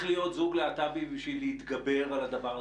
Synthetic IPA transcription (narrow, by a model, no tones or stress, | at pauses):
χlijo̞t̪zuɡleat̪abibiʃvilːeit̪ɡabe̞ʁalad̪avaʁ